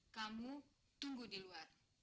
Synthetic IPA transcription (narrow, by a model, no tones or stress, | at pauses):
kamu | t̪uŋɡudiluar